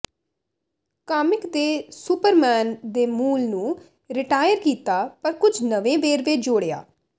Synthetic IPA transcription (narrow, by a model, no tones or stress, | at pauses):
kaːmɪkd̪eːsʊpəɾmɛːnd̪eːmuːlnũː | ɾɪʈaːjəɾkiːt̪aːpəɾkʊd͡ʒʱnəʋẽːʋeːɾʋed͡ʒoːɽeja̰ː